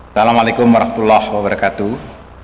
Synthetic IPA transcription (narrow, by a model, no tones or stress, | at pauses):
salamalekʊmwaɾɑhmḁt̪ulːahwabaɾɑkat̪u